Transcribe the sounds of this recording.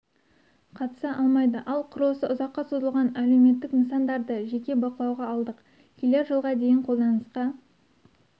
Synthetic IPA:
qʰɑt̪ə̥sɑʔɑlˠmɑjd̪əʔɑlˠqʰʊɾosəʊzɑqːɑsozəlˠʁɑnælewme̞t̪ːɪkmənsɑnd̪ɑɾd̪əʒekʲe̞bɑqəlˠɑwʁɑːlˠd̪əq | kʲʰele̞ɾʒəlˠʁɑd̪e̞jɪɴqʰo̞lˠd̪ɑnəsqɑ

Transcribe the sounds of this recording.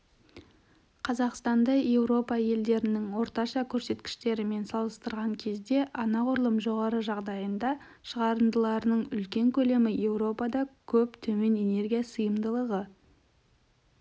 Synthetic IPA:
qʰɑzɑqst̪ɑnd̪ɑje̞wɾo̞pɑje̞ld̪e̞ɾɪnɪŋwo̞ɾt̪ɑʃɑkʲʰɵɾse̞t̪kʲɪ̥ʃt̪e̞ɾɪme̞nsɑlˠəst̪əɾʁɑŋkʲʰe̞zd̪e̞ʔɑnɑqʰʊɾlˠəmʒo̞ʁɑɾəʒɑʁd̪ɑjənd̪ɑ | ʃəʁɑɾənd̪əlˠɑɾənəɴʏlkʲe̞ŋkʲʰɵle̞mɪje̞wɾo̞pɑd̪ɑkʲʰɵpt̪ʰɵme̞ne̞ne̞rɡʲijasəjəmd̪əlˠəʁə

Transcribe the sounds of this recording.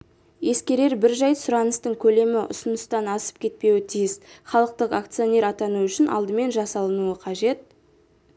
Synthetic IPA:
je̞skʲe̞ɾe̞ɾbɪɾʒɑjsʊɾɑnəst̪əɴkʲʰɵle̞mɪʔʊ̰sənəst̪ɑnɑsə̥p̚kʲʰe̞t̪̚pe̞wɪt̪ʰijɪsχɑlˠəq̚t̪əqakt̪sijo̞nʲe̞ɾɑt̪ɑnuʏʃɪnʔɑ̰lˠd̪əme̞nʒɑsɑlˠənuəqʰɑʒe̞t̪̚

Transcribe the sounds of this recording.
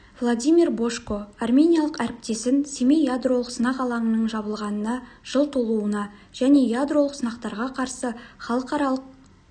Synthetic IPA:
vlˠod̪ʲijmʲirbo̞ʃkoɑrmʲe̞nʲijalˠəqæɾɪp̚t̪e̞sɪnsʲeme̞jad̪ro̞lˠəqsənɑqɑlˠɑɴənəɴʒɑβəlˠʁɑnənɑ | ʒ̥əlˠt̪ʰulˠuənɑʒ̥æne̞jad̪rolˠəqsənɑqt̪ɑɾʁɑqʰɑɾsəχɑlˠəqɑɾɑlˠəq̚

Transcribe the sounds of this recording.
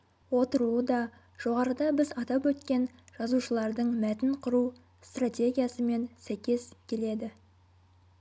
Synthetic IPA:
wo̞t̪əɾuəd̪ɑ | ʒ̥o̞ʁɑɾəd̪ɑbɪzɑt̪ɑpwɵt̪kʲe̞nʒ̥ɑzuʃəlˠɑɾd̪əɴmæt̪ɪnqʰʊɾu | st̪rat̪ʲe̞ɡʲijasəme̞nsæjkʲe̞skʲʰe̞le̞d̪ɪ

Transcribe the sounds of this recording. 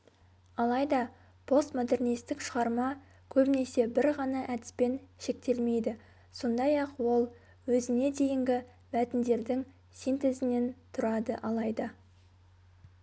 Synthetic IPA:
ɑlˠɑjd̪ɑ | pʰo̞st̪mo̞d̪e̞rnijst̪ɪkʃəʁɑɾmɑ | kʲʰɵbɪne̞se̞bɪɾʁɑnɑʔæd̪ɪ̥spe̞nʃe̞k̚t̪e̞lme̞jd̪ɪ | so̞nd̪ɑjɑqwo̞lˠ | wɵzɪne̞d̪e̞jɪŋɡʲɪ | mæt̪ɪnd̪e̞ɾd̪ɪŋ | sijnt̪e̞zɪne̞nt̪ʰʊɾɑd̪əʔɑlˠɑjd̪ə

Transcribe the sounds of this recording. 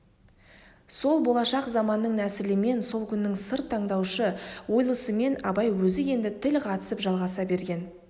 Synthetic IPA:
so̞lˠbo̞lˠɑʃɑqzɑmɑnːəɴnæsɪlɪme̞nso̞lˠkʲʰʏnːɪŋsəɾt̪ʰːɑɴd̪ɑwʃəwo̞jlˠəsəme̞nɑbɑjwɵzɪje̞nd̪ɪt̪ʰɪlqʰɑt̪ə̥səpʒɑlˠʁɑsɑbe̞ɾɡʲe̞n

